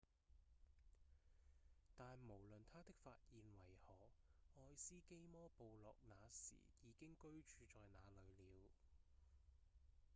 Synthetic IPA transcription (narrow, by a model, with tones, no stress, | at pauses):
t̪aː˨nmo˨˩wlɵ˨nt̪ʰaː˥t̪ɪ˥k̚faː˧t̚jiː˨nwɐ˨˩jhɔː˨˩ɔː˧jsiː˥ke˥jmɔː˥po˨wlɔː˨k̚naː˨˧sḭː˨˩jiː˨˧kɪ˥ŋkɵ˥ɥt͡ʃyː˨˧t͡ʃɔː˨jnaː˨˧lɵ˨˧ɥliː˨˧w